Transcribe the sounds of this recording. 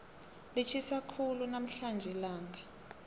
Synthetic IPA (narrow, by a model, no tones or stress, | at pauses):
lit͡ʃʰisakʰulunam̩ɬand͡ʒʱɛlaːŋɡʱa